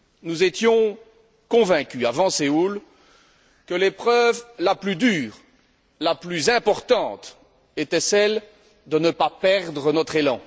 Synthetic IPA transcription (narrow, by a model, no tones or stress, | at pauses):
nuzet̪jɔ̃ | kɔ̃vɛ̃kʲyavɑ̃seul | kəlepχœvlaplyd̪yːʁ | laplyzɛ̃pɔʁt̪ɑ̃t̪ | et̪ɛsɛl | d̪ənəpapɛʁd̪ʁənɔt̪χelɑ̰̃